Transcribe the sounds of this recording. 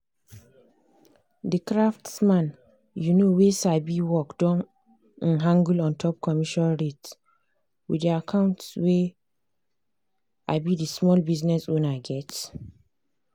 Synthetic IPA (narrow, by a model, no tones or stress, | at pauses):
dikɹaftsmãn | junowesabiwɔkdɔ̃ñ | nɦãŋɡlɔ̃ntʰɔp̚kɔmiʃɔnɹet | wḭdiakʰãʊ̃ntswe | ʔabidismɔlbiznɛswɛ̃naɪɡɛt